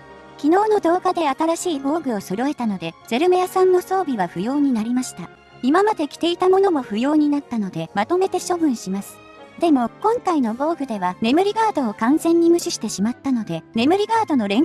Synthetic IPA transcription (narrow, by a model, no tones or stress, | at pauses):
kʲino̞ːno̞d̪o̞ːɡad̪e̞at̪aɾaɕiːbo̞ːɡɯ̟o̞soɾo̞e̞t̪ano̞d̪e̞z̥e̞ɾɯ̟mejasãnːo̞so̞ːbʲiβaɸɯ̟jo̞ːɲ̟inaɾʲimaɕi̥t̪a | imamad̪e̞kʲi̥t̪e̞it̪amo̞no̞mo̞ɸɯ̟jo̞ːɲ̟inat̪ːano̞d̪e̞mat̪o̞me̞t̪e̞ɕo̞bɯ̟̃ɰ̃ɕimasɨ̥ | d̪̥e̞mo̞kõ̞ŋkaino̞bo̞ːɡɯ̟d̪e̞βane̞mɯ̟ɾʲiɡaːd̪o̞ːkãnzẽ̞ɲ̟ːimɯ̟ɕiɕi̥t̪e̞ɕimat̪ːano̞d̪e̞ne̞mɯ̟ɾʲiɡaːd̪o̞no̞ɾẽ̞ŋ